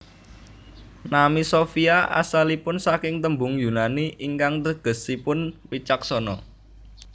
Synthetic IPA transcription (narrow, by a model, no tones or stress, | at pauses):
namisofiaʔa̰salipʊnsakɪŋt̪əmbʊŋjunaniʔiŋkaŋt̪əɡ̥ə̤sipʊnpit͡ʃak̚sɔnɔ̰